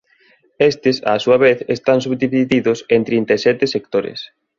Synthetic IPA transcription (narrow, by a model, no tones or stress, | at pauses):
est̪ɪsa̰ːsuɐβeθest̪ans̬uβðiβiðiðʊsent̪ɾint̪aesɛt̪esek̚t̪oɾḛs